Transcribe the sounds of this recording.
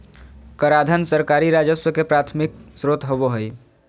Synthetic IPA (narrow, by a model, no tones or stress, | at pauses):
kəɾad̪ʱənsəɾkaɾiɾad͡ʒəsəkepɾat̪ʰmik̚sɾot̪ɦoboɦəj